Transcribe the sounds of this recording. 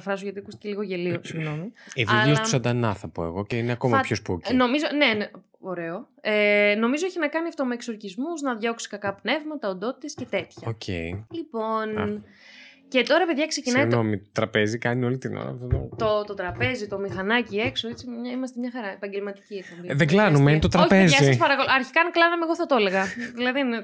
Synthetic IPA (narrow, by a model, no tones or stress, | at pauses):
ɐfɾɐsoʝɐt̪iɐkust̪ice̞liɣoʝe̞liosiɣno̞mieviliot̪sɐd̪ɐnɐθɐpo̞ḛɣo̞ceineɐko̞mɐpçospuocno̞mizonen | oɾe̞o̞ | eno̞mizo̞eçinɐkɐniɐft̪o̞me̞ːkso̞ɾcizmuznɐðʝo̞ksi̥kɐkɐpne̞vmɐt̪ɐond̪o̞t̪i̥t̪esce̞t̪e̞t̪çɐocʰḛjlipo̞n | ce̞t̪o̞ɾɐpe̞ðʝɐkse̞cinɐinomit̪ot̪ɾɐpe̞zikɐnio̞lit̪ino̰ɾɐ̰ft̪ot̪o̰t̪o̞t̪o̞t̪ɾɐpe̞zit̪o̞mixɐnɐcie̞kso̞et͡simɲɐimɐst̪e̞mɲɐxɐɾɐepɐɲɟelmɐt̪i̥cieɾpo̞mbiðeɡlɐnumenit̪ot̪ɾɐoçpezisɐspɐɾɐkoloɐɾçi̥kɐnklɐðɐmeɣo̞θɐt̪o̞le̞ɣɐðilɐðin